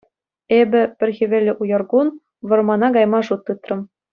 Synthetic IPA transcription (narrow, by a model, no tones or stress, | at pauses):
ebʲɘ̆pʲɘ̆rʲɣʲĭʋʲĕlʲːɘ̆ʔujɤ̆rɡun | ʋɤ̆rmɑnɑɡɑjmɑʐut̪ːɯt̪rɤ̆m